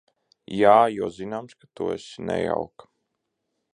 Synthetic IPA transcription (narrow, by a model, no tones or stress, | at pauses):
jaːjuːzinamskḁt̪ṵɛ̰snɛ̰ja̰wk